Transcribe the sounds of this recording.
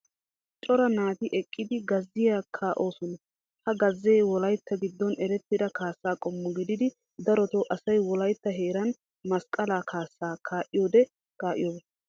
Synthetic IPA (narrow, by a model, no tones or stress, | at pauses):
t͡ʃʼɔɾɐnaːt̪ɪʔɛkʼːɪd̪ɪɡɐzːɪjaːkʰaːʔo̞ːsɔnɐ | hɐɡɐzːeːwɔlɐjt̪ːɐɡɪd̪ːɔnɛɾɛt̪ːɪd̪ɐkaːsːaːkʼɔmːɔɡɪd̪ɪd̪ɪ | d̪ɐɾɔt̪oʔɐsɐjwɔlɐjt̪ːɐɦeːɾɐn | mɐskʼːɐlaːkʰaːsːaːkʰaːʔɪjoːd̪ɛ | kaːʔɪ̰joːb